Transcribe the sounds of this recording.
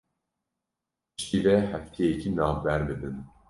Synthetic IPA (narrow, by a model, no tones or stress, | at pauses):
ʃiːvɛhɛft̪ʰɛjɛcʰinɑːvbæɾbɨd̪ɨn